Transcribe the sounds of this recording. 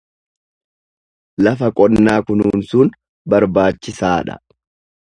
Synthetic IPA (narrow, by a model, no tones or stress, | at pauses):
lɐfɐkʼɔnːaːkʊnːnsʊn | bɐɾbaːt͡ʃːɪsaːᶑɐ̰